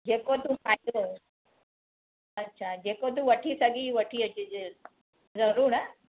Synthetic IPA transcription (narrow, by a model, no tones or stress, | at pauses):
d͡ʒekot̪upajo | ɐtːɕʰad͡ʒekot̪̬uʋɐʈʰisaɡiʋɐʈʰiɐt͡ʃid͡ʒ | d͡zɐɾuːɽa